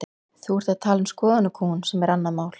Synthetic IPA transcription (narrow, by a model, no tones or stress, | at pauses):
θuɛɾ̥t̪ḁt̪ʰaːlɪnskɔːðanʏkʰuːnsɛmɛɾanːaðmaːwl̥